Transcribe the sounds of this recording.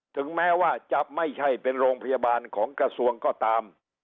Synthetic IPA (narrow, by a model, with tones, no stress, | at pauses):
t̪ʰɯ˩˦ŋmɛː˦˥waː˥˩t͡ɕa˨˩ʔ̚ma˥˩jt͡ɕʰa˥˩jpe˧nɾoː˧ŋpʰa˧ja˧baː˧nkʰɔː˩˦ŋkɾa˧su˧əŋkɔː˥˩t̪aː˧m